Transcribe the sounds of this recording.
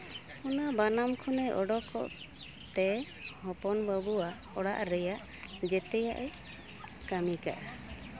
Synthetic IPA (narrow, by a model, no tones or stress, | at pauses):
ɔnabanamkʰɔnɛʔɔɖɔkɔ̰ʔ | t̪ɛ | hɔpɔnbəbua | ɔɽaʔɾɛjaʔ | d͡ʒɛt̪ɛjaʔɛ | kamika̰ʔa